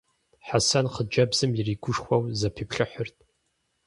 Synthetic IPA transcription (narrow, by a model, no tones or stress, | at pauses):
ħasɐnqəd͡ʒɐbz̥ɨmjɪriːɡʷʊʂχʷɐwzɐpʰipɬɨħʊrt̚ʰʼ